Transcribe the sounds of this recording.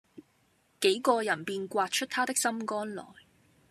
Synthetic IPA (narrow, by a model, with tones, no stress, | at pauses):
ke˨˥jkɔː˧jɐ˨˩npiː˨nkʷwaː˧t̚t͡ʃʰɵ˥t̚t̪ʰaː˥t̪ɪ˥k̚sɐ˥mkɔː˥nlɔ̰ː˨˩j